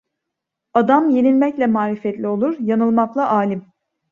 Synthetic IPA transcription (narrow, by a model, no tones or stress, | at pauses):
ad̪amjenilʲmɛclʲɛmaːɾifɛt̪lʲio̞lˠuɾjanɯlˠmaklˠaʔaːlʲim